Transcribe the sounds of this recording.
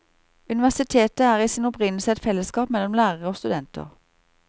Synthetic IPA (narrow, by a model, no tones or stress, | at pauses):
ʉnɪʋæʁsɪt̪ʰeːt̪əæːʁiːsɪnʊpʁɪnl̩səɛt̪fɛləskɑːpmɛlɔmlæːʁəʁəoːst̪ʉd̪ɛnt̪ʰə̰ʁ